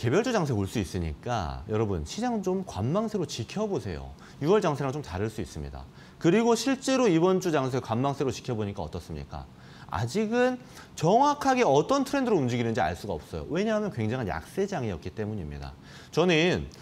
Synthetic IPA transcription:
ke̞bjʌɭd͡ʑud͡ʑaŋsʰeoɭs͈uis͈ɯɲḭk͈a̰jʌɾʌbṵnɕʰid͡ʑaŋt͡ɕomkwamːaŋsʰe̞ɾot͡ɕikʰjʌbosʰe̞̰jo̰ | juʌɭd͡ʑaŋsʰeɾaŋt͡ɕomt͡ɕaɾɯɭs͈uis͈ɯmɲḭda̰ | kɯɾiɡoɕʰiɭt͡ɕ͈e̞ɾoibʌnt͡ɕud͡ʑaŋs̬ʰekwamːaŋsʰe̞ɾot͡ɕi̥kʰjʌboɲik͈aʌt͈ʌs͈ɯmɲḭk͈a̰ | a̰d͡ʑiɡɯn | t͡ɕʌŋwakʰaɡe̞ʌt͈ʌntʰɯɾe̞ndɯɾoumd͡ʑiɡinɯnd͡ʑia̰ɭs͈uɡaʌp̚s͈ʌjo̰we̞ɲaɦmjʌnkweŋd͡ʑaŋɦanja̰k̚s͈e̞d͡ʑaŋijʌk͈it͈e̞muɲimɲḭda̰ | t͡ɕʌnɯn

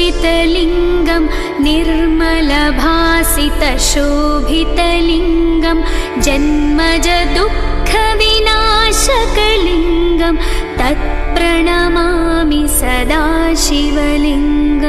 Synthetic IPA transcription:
it̪ɐliŋɡɐm | niɾmɐlɐbʱaːsit̪ɐʃubʱit̪ɐliŋɡɐm | d͡ʒɐnmɐd͡ʒɐd̪ukkʰːɐʋinaːʃɐkɐliŋɡɐm | t̪ɐt̪̚ | pɾɐɳamaː | misɐd̪aː | ʃiʋɐliŋɡɐ

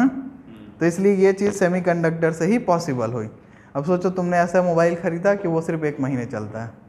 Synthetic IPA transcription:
ɦãt̪oɪsliejet͡ʃiːzseːmikɐ̃ɳɖək̚ʈəɾseɦipɔːsɪbəlɦoːḭː | ɐbsoːt͡ʃot̪ʊmneɛːsamoːbaːɪlxɐɾiːd̪akiʋosɪɾfeːkmɐɦiːnet͡ʃɐlt̪aɦɛː

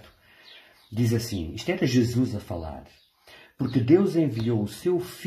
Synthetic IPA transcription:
t̪ | d̪izɐsḭ̃iʃt̪ɛɾɐʒɨzuzɐfɐlˠa̰ɾ | puɾkɨd̪ewzẽviowusewf

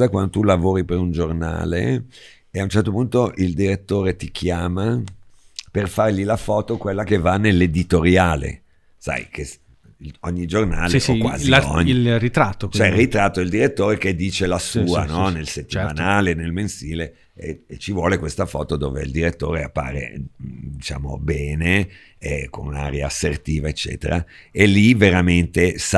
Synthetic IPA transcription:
akwand̪ot̪ulavoːɾipeɾund͡ʒorna̰ːlḛ | eaunt͡ʃɛrt̪opunt̪oʔild̪iɾet̪ːoːɾet̪ikʰjaːma | perfarʎilafɔːt̪okwelːakevanːelːed̪it̪oɾjaːlḛ | sa̰jkʰes | oɲːid͡ʒorna̰ːlekwa̰ːzio̰ɲːlrit̪ɾat̪ːot͡ʃoɛilrːit̪ɾat̪ːoild̪iɾet̪ːoːɾeked̪ːiːt͡ʃelasuːanɔnelset̪ːimanaːlenelmensiːle | ḛt͡ʃivwɔːlekwest̪afɔːt̪od̪o̰ːvḛild̪iɾet̪ːo̰ːɾea̰pːa̰ːɾḛd̪it͡ʃa̰ːmo̰bɛːne | ɛko̰nna̰ɾjaːsert̪iːvaet͡ʃːɛ̰ːt̪ḛɾa̰eliveɾament̪esa

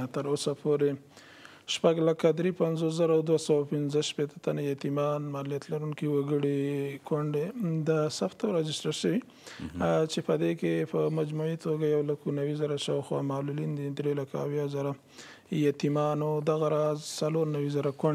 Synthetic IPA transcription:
t̪əɾosapʰoɾe | ʃpaɡlakad̪ɾepanzos̬zaɾaːwd̪wasawapɪnzəʃpet̪ət̪anajat̪imɑnmalijat̪laɾuŋkiwaɡəɽikwaɳɖed̪asaft̪awɾɑd͡ʒɪsʈaɾʃəwi | t͡ʃepəd̪ekepəmad͡ʒmuit̪oɡajawlakonawizaɾaʃaːwxwɑ̰mɑlulind̪id̪ɾelakaːwjɑzaɾa | jat̪imɑnod̪aɣaɾɑzsaloɾnawizaɾakaɳ

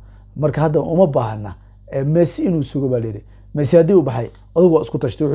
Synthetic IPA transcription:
mɐrkʰɐhɐd̪ɐʔʊmɐbaːɦɐnːɐ | ɛːmɛːsɪɪnuːsʊɣɔβaːlɐjɪɾi | mɛːsɪhɐd̪iʊbɑħɑj | ʔɐðɪɣʊwaːɪskʰʊt̪ʰɐʃt̪ʰɛwʊħ

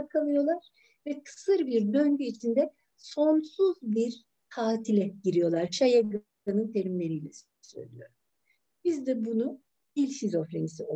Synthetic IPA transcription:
kʰalˠɯjo̞lˠaɾ̥ | vɛkʰɯ̥sɯɾbiɾd̪øɲɟyit͡ʃʰind̪ɛ | so̞nsuzbiɾ | hʰaːt̪ʰilʲɛɟiɾijo̞lˠaɾt͡ʃʰajaɡ | anɯnt̪ʰe̞ɾimlʲe̞ɾiːlʲɛs | sø̞̰jlʲḭjo̞ɾum | bizd̪ɛbunu | bilʲsizo̞fɾenisio

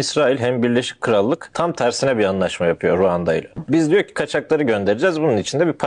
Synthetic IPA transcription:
isɾaːilʲɦæmbiɾlʲe̞ʃi̥c̚kʰɯɾalˠːɯkt̪ʰamt̪ʰæɾsinɛbianlˠaʃmajapʰɯjo̞ɾuand̪ajlˠabizd̪ijocʰi̥kʰat͡ʃʰaklˠaɾɯɟø̞nd̪e̞ɾed͡ʒæzbununit͡ʃʰind̪ɛbipʰa

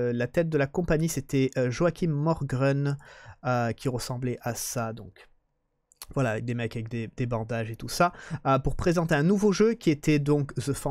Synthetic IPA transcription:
lat̪ɛt̪̚d̪əlakɔ̃paɲiset̪ɛøʒoakʲimːɔʁɡʁɛnøkʲiʁəsɑ̃blɛʔasad̪ɔ̃k | vwalaːvɛk̚d̪emɛkavɛk̚d̪ed̪̥ebɑ̃d̪aʒet̪usaøpuʁpχezɑ̃t̪eɛ̃nuvoʒøkʲiet̪ɛd̪ɔ̃kzəfɑ̃

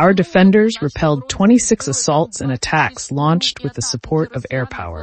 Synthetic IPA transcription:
aʊə˞dɨfɛ̃ndə˞zɹɨpʰɛlˠd̚tʰw̥ɛ̃ɾ̃isɪksəsɔlˠtsɨ̃ñɨtʰækslɔ̃nt͡ʃt̚wɨðɨsəpʰɔɹɾʌvɛɹpʰa̰ʊə̰˞

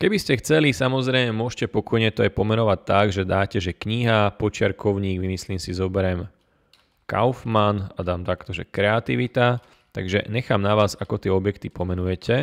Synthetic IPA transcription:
kɛbiscɛxt͡sɛlisamɔzɾɛjmɛmʊɔʃcɛpɔkɔjɲɛt̪ɔajpɔmɛnɔʋac̚t̪ːaɡʒɛd̪aːcɛʒɛkɲiɦapɔt͡ʃɪaɾkɔʊɲiːɡʋimisliːmsizɔbɛɾɛm | ka̰ʊfmanad̪aːmt̪akt̪ɔʒɛ̰kɾɛat̪iʋit̪a | t̪a̰ɡʒɛ̰ɲɛxaːmnaʋaːzakɔt̪ɪɛɔbjɛkt̪ipɔmɛnujɛcʰɛ

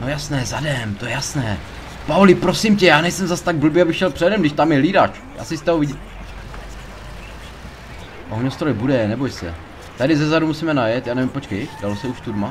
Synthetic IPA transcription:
nojasnɛːzadɛmt̪ojɛjasnɛː | paulɪpɾo̞sɪmcɛjaːnɛjsɛmzast̪aɡ̚bl̩bɪjabɪxʃɛlpr̥ɛdɛmɡdɪʃt̪amjɛliːdat͡ʃ | ja̰ːsɪst̪ɛovɪɟ | ʔoɲost̪ɾojbudɛnɛbojsɛ̰ | t̪adɪzɛzaɾumusimɛnajɛt̪jaːnɛvɪmpo̞t͡ʃkɛjdalosɛuʃt̪udma

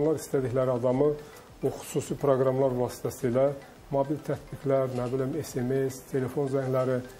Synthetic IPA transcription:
mlˠɑɾist̪ʰæd̪içlæɾiɑd̪ɑmɯ | uxu̥suːsipʰɾoɡɾɑmlˠɑɾvɑːsi̥t̪ʰæsiːlæ | mobilt̪ʰæt̪biklæɾnæbilimese̞mest̪ʰe̞le̞fo̞nzæɲlæɾi

